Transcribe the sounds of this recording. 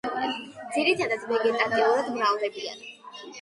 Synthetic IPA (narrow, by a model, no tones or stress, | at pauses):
d̪ziɾit̪ʰad̪at̪sʰvɛɡɛt̪ʼat̪ʼiulad̪mɾavd̪ɛbia̰n